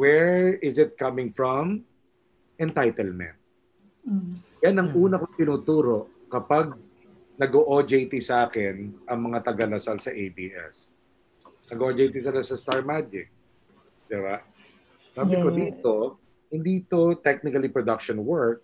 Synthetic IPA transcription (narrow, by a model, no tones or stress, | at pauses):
wɛɹɪzɪt̪̚kɐmɪŋfɹɔm | ʔɛnt̪ajt̪ɛlmɛ̰̃nt̪̚ | janɐŋʔuːnɐkoŋt̪ɪnuːt̪uːɾo̞ʔ | kɐpaɡ̚ | nɐɡoʔod͡ʒejt̪ɪsɐʔaːkɛnʔɐŋmɐŋat̪ɐɡɐlɐsalsɐʔejbḭːʔɛ̰s | nɐɡod͡ʒejt̪isɐlasɐst̪aɹmad͡ʒɪk̚ | d̪̥ɪba | saːbɪkod̪iːt̪o̞ | hɪnd̪iːt̪ot̪ɛk̚nɪkɐlipɹod̪ɐkʃɔnwɛɹk̚